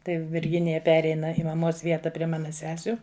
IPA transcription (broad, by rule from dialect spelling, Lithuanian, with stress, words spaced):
tɐɪ ʋʲɪrʲˈɡʲɪnʲɪjɛ ˈpʲæːrʲɛɪnɐ ɪ mɐˈmoːs ˈʋʲiɛtɐ pʲrʲiɛ ˈmɑːnɐ ˈsʲæːsʲʊ